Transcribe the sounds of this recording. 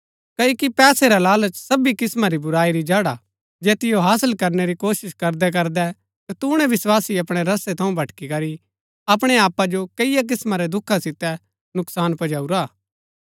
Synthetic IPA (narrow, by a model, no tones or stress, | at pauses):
kɐokipɛːseɾalaːlət͡ʃsɐbikɪsmaɾibʊɾaːiɾid͡ʒaːɽa | d͡ʒɛːt̪ɪjoɦaːsəlkɐɾneɾikoːʃɪʃkɐɾd̪ɛk̬ɐɾd̪ɛ | t̪ɐt̪uɽ̃ɛʋɪswaːsiɐpɽ̃eɾɐset̪ʰɐũbʱɐʈkikɐɾi | ɐp̬ɽ̃eaːpad͡ʒokɐɪjak̬ɪsmaɾɛd̪ʊkʰːasɪt̪ɛ | nʊksaːnpɐd͡ʒaːuɾaː